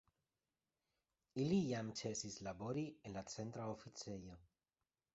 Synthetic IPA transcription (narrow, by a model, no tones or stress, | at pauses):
ilijamt͡se̞sislabo̞ɾienlat͡se̞nt̪ɾaofit͡sejo̞